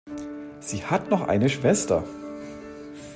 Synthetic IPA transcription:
z̥iːhatnɔχʔa̰ɪnəʃv̥ɛstɐ̰

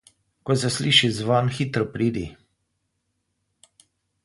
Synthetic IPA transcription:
kɔsɛsliːʃizʋanxiːt̪ɾɔpɾiːd̪i

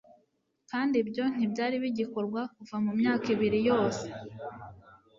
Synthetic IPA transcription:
kaːndibɟo̞n̥ibɟaːɾiβiɟiko̞ɾɡwakuvamumɲaːkiβiɾijo̞ːse̞̥

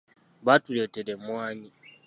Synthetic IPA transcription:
batuɾetɛɾemuaɲi

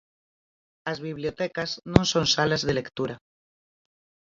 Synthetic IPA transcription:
azβiβliot̪ekaznõnsonsalazðele̞kt̪uɾa

